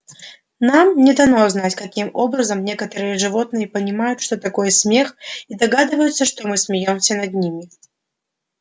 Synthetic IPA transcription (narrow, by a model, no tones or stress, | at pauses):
namnʲɪd̪ɐnoznatʲkɐkʲimobɾəzəmnʲe̞kət̪əɾɨjəʐɨvot̪̚nɨjəpənʲɪmajʊt̪ʂt̪ot̪ɐkojəsʲmʲe̞xid̪ɐɡad̪ɨvəjʊt̪səʂt̪omɨsmʲɪjomsʲənɐd̪̚ʲnʲimʲɪ